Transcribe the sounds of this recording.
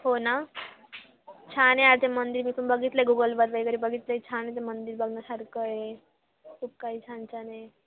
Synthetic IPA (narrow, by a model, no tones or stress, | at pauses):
hona | t͡ɕʰaneaɾt̪emənd̪iːɾmiːkumbəɡit̪ləeɡuɡəlbəd̪ʋaiɡəɾibəɡit̪ləit͡ɕʰanet̪̬emənd̪iːɾbəɡnəsaɾkəe | kʰuːp̚kaɦiːt͡ɕʰant͡ɕane